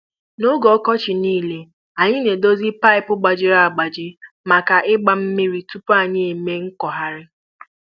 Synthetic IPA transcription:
no˦ɡɔ˨ɔ˦kɔ˦t͡ʃɪ˨niː˦le˨ | a˨ɲɪ˦ne˨do˦zi˦pa˦ɪ˨pʊ˦ɡ͡ba˨d͡ʒɪ˦ɾa˦˨a˨ɡ͡ba˨d͡ʒɪ˦ | ma˨ka˨ʔɪ˦ɡ͡ba˨m̩˦me˦ɾi˨tu˦pa˨ɲɪ˦e˨me˦ŋ̩˦kɔ˨ɦa˦ɾɪ˦

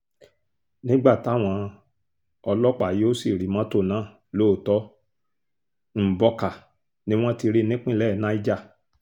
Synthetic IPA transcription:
nĩ˦ɡ͡ba˦˨ta˦˨w̃ɔ̃˧ | ɔ˧lɔ˦k͡pa˦˨ji˨˦o˦si˦˨ɾi˨˦mã˨˦to˦˨nãː˨˦˨ | lo˦˨tɔ˦ | m̩˨bɔ˧ka˨ | nĩ˦w̃ɔ̃˦ti˧ɾi˦nĩ˦k͡pĩ˦˨lɛ˦˨nã˦i˦d͡ʒa˦˨

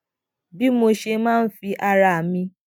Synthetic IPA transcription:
bi˦mo˧ʃe˧mãː˦n̩˦fi˧ʔa˧ɾa˧˨mĩ˧

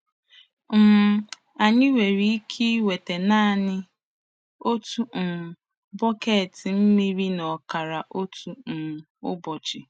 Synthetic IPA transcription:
m̩˦ | a˨ɲɪ˦we˨ɾi˦i˦kʰi˦we˨te˨naː˦˨nɪ˦ | o˦tu˦˨ | bɔ˦ke˨tɪ˨m̩˦mi˦ɾi˦nɔ˨ka˨ɾa˨ʔo˦tu˦n̩˨ | ʊ̰˦bɔ˨t͡ʃɪ˨

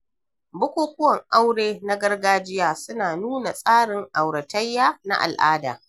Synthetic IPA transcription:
bʊ˦kʷoː˦kʷʊ˦wɐ˨ŋʔa˦wɽeː˦na˦ɡɐ˦rɡaː˦d͡ʒɪ˦jaː˦˨sʊ˦naː˨nuː˦na˨sʼaː˦ɽɪ˨ŋʔa˨wɽɐ˨tɐ˦jːaː˦na̰˦ʔa̰˨lʔa̰ː˦da̰ː˨

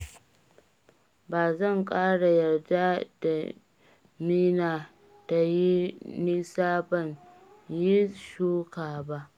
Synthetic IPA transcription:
baː˨zɐ˦˨ŋkʼaː˦ɽa˨jɐ˨rda˦d̥a˨ | miː˦naː˨ | ta˨ji˦ni˦saː˦bɐ˦˨n | ji˦ʃuː˦kaː˨ba˦ʔ

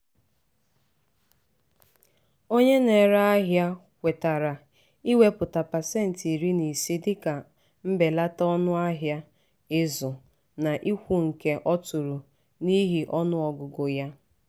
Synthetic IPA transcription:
o˦ɲe˦ne˨ɾa˦a˦ɦja˦ | kʷe˨ta˨ɾa˨ | i˦we˦pʊ˨ta˨pa˨se˦˨n̩˨ti˨ɾi˦ni˨si˦dɪ˦ka˨ | m̩˦be˨la˦tɔ˦nʊ˦a˦ɦja˦ | ɪ˦zʊ˨ | na˨ʔi˦kʷu˦ŋ̩˨ke˦ʔɔ˦tʊ˨ɾʊ˨ | ni˦ɦi˨ʔɔ˦nʊ˦ɔ˨ɡʊ˨ɡo˨ja˦

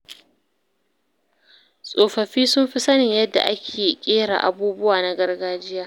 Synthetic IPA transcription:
sʼoː˨ɸɐ˨ɸiː˦sʊ˦mɸi˦sɐ˦nɪ˨ɲjɐ˦dːa̰˨ʔa˦kʲʰeː˨kʲʼeː˦ɽa̰ː˨ʔa̰˨buː˦bʊ˦waː˨na˦ɡɐ˦rɡaː˦d͡ʒɪ˦jaː˦

